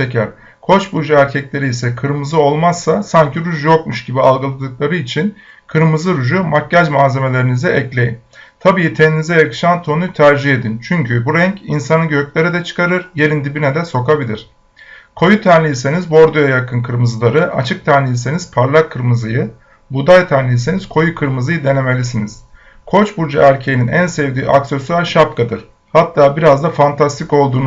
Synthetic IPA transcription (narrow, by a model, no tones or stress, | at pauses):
e̞cʰæɾ̥ | kʰo̞t͡ʃbud͡ʒaæɾcʰɛcʲlʲe̞ɾijsɛkʰɯɾmɯzɯo̞lˠmasːasaɲcʰiɾuʒjo̞kmuʃɟibialˠɡɯlˠad̪ɯk̚lˠaɾɯit͡ʃʰin | kʰɯɾmɯzɯɾuʒumacːaʒmaːze̞me̞lʲe̞ɾinizɛʔɛclʲe̞jin | t̪ʰabiːt̪ʰeninizɛekʃant̪ʰo̞nut̪ʰæɾd͡ʒihe̞d̪int͡ʃʰyɲcʰybuɾɛɲcinsanɯɟø̞cʲlʲeɾɛd̪ɛt͡ʃʰɯ̥kaɾɯɾje̞ɾind̪ibinɛd̪ɛso̞kabilʲiɾ̝̥ | kʰo̞jut̪ʰænlʲijise̞nizbo̞ɾd̪ujajakʰɯnkʰɯɾmɯzɯlˠaɾɯʔa̰t͡ʃʰɯk̚t̪ʰænlʲijise̞niz̥pʰaɾlˠakʰːɯɾmɯzɯjɯ | bud̪ajt̪ʰænlʲiise̞niz̥kʰo̞jukʰɯɾmɯzɯjɯd̪e̞ne̞me̞lʲisiniz̥ | kʰo̞t͡ʃbuɾd͡ʒa̰æɾcʰejininænsɛvd̪iːʔakse̞suaɾʃap̚kʰad̪ɯɾ̥ | hat̪ʰːaːbiɾazd̪afant̪ʰast̪ʰiko̞lˠd̪uːn